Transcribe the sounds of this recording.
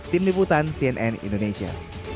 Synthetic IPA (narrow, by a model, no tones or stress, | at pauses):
t̪imliput̪ansiɛnʔɛnḭndonesia̰